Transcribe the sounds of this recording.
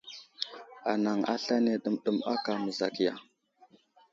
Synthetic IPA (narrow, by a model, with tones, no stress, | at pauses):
a˨na˨ŋa̰˦ɬa˦ne˦ɗə˦mɗə˨ma̰˦ka˨mə˨za˨kja˨